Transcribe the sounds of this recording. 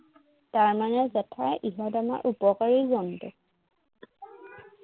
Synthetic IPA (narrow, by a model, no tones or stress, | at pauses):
taɹmanɛzɛtʰaʔiɦɔtama̰ɹʔupɔkaɹizɔntʊ